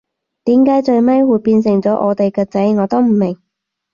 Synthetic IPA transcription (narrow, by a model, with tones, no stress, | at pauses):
t̪iː˨˥mkaː˨˥jt͡ʃɵ˧ɥmɐ˥jwuː˨˧jpiː˧nsɪ˨˩ŋt͡sɔː˨˥ʔɔ̰ː˨˧t̪e˨jkɛː˧t͡sɐ˨˥jŋɔː˨˧˥t̪o˥wm̩˨˩mɪ˨˩ŋ